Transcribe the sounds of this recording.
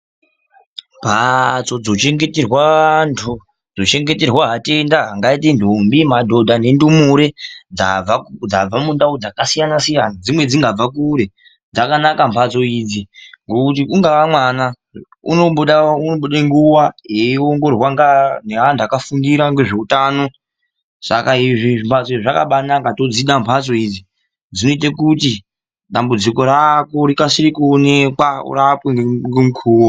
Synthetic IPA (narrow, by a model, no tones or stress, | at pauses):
mpʰat͡so̞d͡zo̞t͡ʃe̞ŋɡe̞terwantʰu | d͡zo̞t͡ʃe̞ŋɡe̞te̞rwaɦate̞ndaɦaŋɡaitindombimadʱo̞dʱane̞ndumuɾed͡zaad͡zab͡vamundaud͡zakasijanasijanad͡zimwe̞d͡ziŋɡab͡vak̬uɾe̞ | d͡zakanakampʰat͡so̞iːd͡ziŋɡo̞kut̬iuŋɡaamwana | ṵnoɓuɗaunoɓuɗeŋɡuwaɦeoŋɡo̞rwaŋɡaneɦandakafundiɾaŋɡe̞ʐe̞utaːno̞ | sa̰kaiʐiimpʰat͡soiiʐaka̰ɓanakato̞d͡ziɗampʰat͡so̞id͡zi | d͡zino̞it̬akuti | ɗambud͡ziko̞ɾakoɾikasiɾikuonekwaṵrapweŋɡŋɡemukʰuːwo